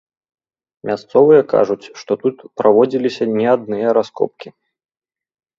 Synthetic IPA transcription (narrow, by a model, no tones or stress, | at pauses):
mʲʔast̪sɔvɨjɐka̰ʐut͡sʲʂt̪ɔt̪ut̪pɾavɔd͡zʲilʲisʲɐnʲɛad̪nɨjɐɾaskɔ̰p̚kʲi